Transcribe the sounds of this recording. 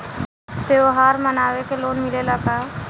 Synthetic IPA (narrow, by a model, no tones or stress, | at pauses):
t̪eoɦaɾmənaʋekelonmileləka